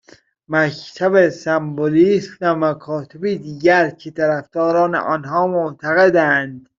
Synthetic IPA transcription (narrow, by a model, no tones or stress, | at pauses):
mæct̪ʰæbesæmboliːsvæmækʰɒːt̪ʰebid̪iːɟæɾcʰet̪ʰæɾæfd̪̥ɒːɾɒːnḛʔɒnɦɒːmoʔt̪ʰæɣed̪ænd̪